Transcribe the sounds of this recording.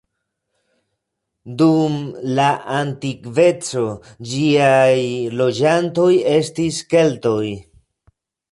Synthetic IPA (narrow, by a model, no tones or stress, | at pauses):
dumlaʔantikve̞t͡so̞d͡ʒiajlo̞d͡ʒanto̞je̞stiske̞lto̞j